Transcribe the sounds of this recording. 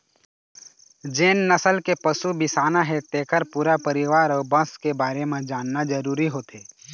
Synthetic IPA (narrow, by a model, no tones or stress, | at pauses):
d͡ʒeːnːəsəlkepəsubɪsaːnaɦɛt̪eːkəɾpuːɾapəɾɪʋaːɾɔːbɐ̃skebaːɾemẽd͡ʒaːnːad͡ʒəɾuːɾiɦoːt̪eː